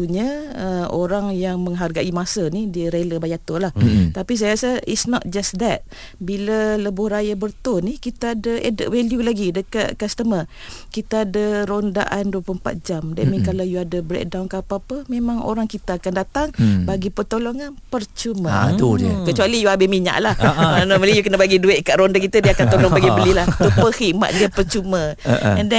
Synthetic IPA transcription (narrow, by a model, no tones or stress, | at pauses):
uɲaəʔoɾaŋjaŋmə̃ŋɦarɡaʔimasanidiəɾeləbajat̪ʊlaht̪apis̬ajaɣasəḭsnɔt̪̚d͡ʒasd̪ɛt̪̚ | bilələbʊhrajabərt̪ʊnikit̪aadəʔɛdə̰ʔweljulaɡidəkat̪̚kast̪əmə | kit̪aːdəɾondaʔanduəpuəmpa̰t̪̚d͡ʒamdaʔmikalajuadəbɾɛ̰ʔ̚dawnkapaapəmemãŋo̰ɾaŋkit̪aakandat̪aŋbaɡipət̪olɔŋanpərt͡ʃumət̪ukət͡ʃualijuabɪhmiɲa̰ʔlahmanaməlijukənəbaɡiduɪʔ̚kaʔɾondakit̪adiakant̪olɔŋbaɡibəlilaht̪upəhiʔma̰t̪̚diəpərt͡ʃuməɛndɛ